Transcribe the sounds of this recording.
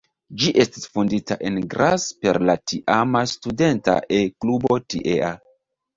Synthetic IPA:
d͡ʒiʔe̞sti̥sfunditaʔe̞nɡɾʔaspe̞̰ɾlatiʔamastude̞nta̰ʔeklubo̞tḭʔea

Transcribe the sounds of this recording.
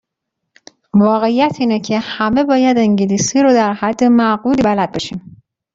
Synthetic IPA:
vɒːɣe̞ijæt̪ʰiːnecʰe̞hæme̞bɒːjæd̪eŋɟeliːsiːɾod̪æɾhæd̪ːe̞mæɣuːliːbælæd̪̚beʃiːm

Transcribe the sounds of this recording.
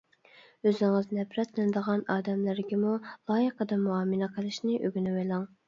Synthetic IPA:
øzŋɨznɛpʰɾɛt̪lɪnɪd̪əʁɑnɑːd̪ɛmlæɾɡʲɛmulˠɑːjəqəd̪ɑmuɑːmɨnɑqʰəlˠɨʃnɨʔøɡʲynɪwejlˠɑŋ

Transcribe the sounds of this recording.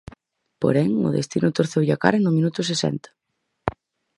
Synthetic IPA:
po̰ɾɛŋʊ̰ðḛst̪inʊt̪oɾθewʝaka̰ɾenʊmĩnut̪ʊs̬esɛ̰nt̪ɐ̥

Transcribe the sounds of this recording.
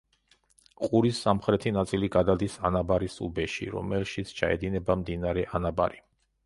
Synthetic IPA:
qʼuɾisːamχɾɛt̪ʰinat̪sʼiliɡad̪ad̪isanabaɾisʼubɛʃḭɾɔ̰mɛlʃit̪sʰt͡ʃʰa̰ɛd̪inɛbamd̪inaɾɛʔanaba̰ɾi

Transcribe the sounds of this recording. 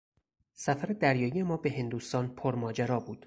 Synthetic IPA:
sæfæɾed̪æɾjɒːije̞mɒːbe̞ɦe̞nd̪uːst̪ɒːnpʰoɾmɒːd͡ʒæɾɒːbuːd̪̥

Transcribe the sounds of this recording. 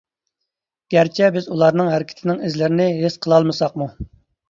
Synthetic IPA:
ɡ̥ʲæɾt͡ʃʰɛbɪzulˠɑɾnɨŋɦæɾɪkʲi̥t̪ʰɪnɪŋɪzlɪɾɪnɪɦesqʰəlˠɑlˠmɨsɑqmu

